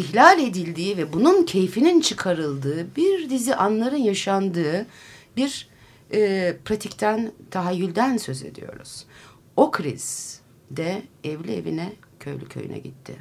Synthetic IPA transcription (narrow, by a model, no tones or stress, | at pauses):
içlʲalʲe̞d̪ilʲd̪iːvɛbununcʰe̞jfinint͡ʃʰɯkʰaɾɯlˠd̪ɯːbiɾd̪iziʔanlˠaɾɯnjaʃand̪ɯːbiɾ | ɛːpʰɾat̪ʰict̪ʰænt̪ʰaɦajːylʲd̪ænsø̞ze̞̰d̪ḭjo̞̰ɾṵz̥ | o̞kʰɾḭz̥ | d̪ɛɛvlʲie̞̰vḭnɛ | cʰø̰jlʲycʰø̞̰jy̰nɛ̰ɟḭt̪ʰːɪ̰